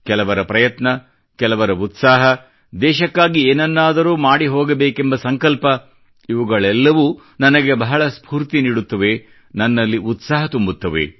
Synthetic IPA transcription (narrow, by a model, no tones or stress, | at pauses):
kɛlɐʋɐɾɐpɾɐjɐt̪nɐ | kɛlɐʋɐɾɐut̪saːɦɐ | d̪ɛːʃɐkːaːɡieːnɐnːaːd̪ɐɾuːmaːɽiɦoːɡɐbeːkembɐsɐŋkɐlpɐ | iʋuɡɐɭɛlːɐʋu | nɐnɐɡebɐɦɐɭɐspʰuːɾt̪iniːɽut̪ːɐʋe̞ | nɐnːɐlːiʔut̪saːɦɐt̪umbut̪ːɐʋḛ